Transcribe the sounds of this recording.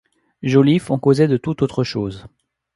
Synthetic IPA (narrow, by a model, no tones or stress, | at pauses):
ʒolifɔ̃kozɛd̪ət̪ut̪ot̪χəʃoːz